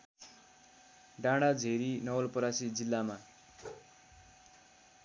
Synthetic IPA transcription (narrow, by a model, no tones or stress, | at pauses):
ɖãɽad͡zʱeɾinʌwʌlpʌɾasid͡zilːama